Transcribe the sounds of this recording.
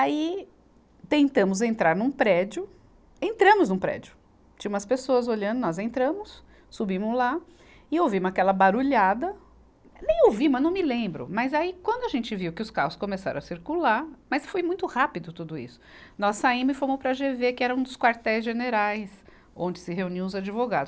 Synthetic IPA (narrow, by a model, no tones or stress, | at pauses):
ai | t̪ẽnt̪ɐ̃mʊzẽnt̪ɾaɾnʊ̃pɾɛd͡ʒʊ | ẽnt̪ɾɐ̃mʊznʊ̃pɾɛ̰d͡ʒʊ | t͡ʃĩumɐspesoɐzoʎɐ̃nd̪ʊnɔzẽnt̪ɾɐ̃mʊsː | ubĩmʊzla | ɪowvĩmʊzakɛlɐbaɾuʎad̪ɐ | nẽj̃owvimʊɐnɐ̃w̃mɪlẽbɾʊ̰mɐzaikwɐ̃nd̪ʊaʒẽnt͡ʃɪviwkɪʊskahʊskõmesa̰ɾɐ̃ɐsiɾkulaɾmɐsfojmũj̃t̪ʊhapɪd̪ʊt̪ud̪ʊḭsʊ̥nɔsːaĩmʊzɪfoɾmopɾɐʒevekɪɛɾɐũd̪ʊskwaɾt̪ɛjzʒeneɾajs | õnd͡ʒɪsɪɦeuniɐ̃ʊzad͡ʒivoɡad̪ʊs